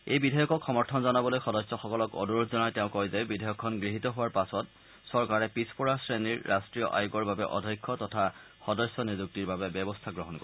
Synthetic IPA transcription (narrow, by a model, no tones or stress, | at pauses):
ejbidʱajɔkɔkʰxɔmɔɹtʰɔnzɔnabɔlojxɔdɔsɔxɔkɔlɔkɔ̰duotʰzɔnajtɛʊ̃kɔjzɛbidʱajɔkʰːɔnɡɹiɦitɔɦʊwaɹpasɔt̚ | sɔɹkaɹɛpispɔɹasɹeniɹːastɹijɔ̰ʔa̰juɡɔɹbabɛʔɔ̰dʱɔjkʰːɔtɔtʰa | xɔdɔsːɔnizuk̚tiɹbabɛbjɛbɔstʰaɡɹɔɦɔnkɔ